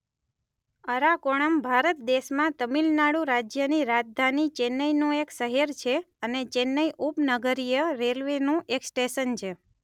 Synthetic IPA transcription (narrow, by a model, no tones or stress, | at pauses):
əɾakoɽ̃əmbʱaɾət̪̚d̪eʃmãt̪əmilnaɽũɾad͡ʒjəniɾad͡ʒd̪ʱanit͡ʃenːəjnũeksəɦeɾt͡ʃʰe | ənet͡ʃenːəjʔupnəɡəɾijəɾelʋenũʔeksʈeʃənt͡ʃʰe